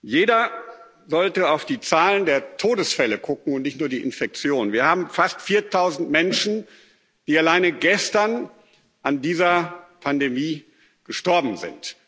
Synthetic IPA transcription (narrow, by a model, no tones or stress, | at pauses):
jeːdɐ | zɔltəaʊfd̥iːt͡saːləndeːɐtʰoːdəsfɛləkʰʊkŋ̩ʊntnɪçtnuːɐdiːʔɪnfɛk̚t͡sjoːnviːɐhaːbm̩fastfiːɐtʰaʊzn̩tmɛnʃn̩ | d̥iːalaɪnəɡɛstɐn | ʔandiːzɐpʰandemiː | ɡ̥əʃtɔɐbm̩zɪ̰nt